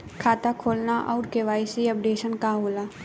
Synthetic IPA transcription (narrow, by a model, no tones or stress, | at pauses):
kʰaːt̪akʰoːlnaʔɔːɾkeʋaːɪsiɐpɖeːʃənkaɦoːlaː